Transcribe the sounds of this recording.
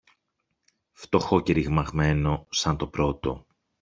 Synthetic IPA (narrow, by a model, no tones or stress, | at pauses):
ft̪o̞xoceɾiɣmɐɣme̞no̞sɐnt̪o̞pɾo̞t̪o̞̰